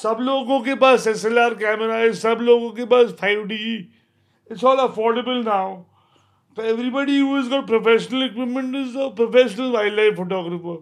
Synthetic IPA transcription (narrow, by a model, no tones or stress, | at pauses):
sɐbloːɡõkepaːsɛselaːɾk̬ɛːməɾaːɪzsɐbloːɡõkepaːsfʰaɪʋɖiː | ɪʈsɔːlɐfɔːɾɖəbəlnaʊ | tɛʋɾibɔɖiɦuːɛzɡɔːʈ̚pɾofɛʃənəlɪkwɪpmə̃ɳʈɪzəpɾofeʃənəlʋaɪɖlaɪfoːʈɔːɡɾəfə